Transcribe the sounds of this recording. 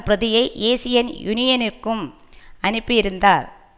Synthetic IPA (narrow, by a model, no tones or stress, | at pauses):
pɾɐðɪjɐɪʔeːsɪjɐnjʊnɪjɐnɪrkɯm | ɐnɯpːɪɪɾɯnd̪aːɾ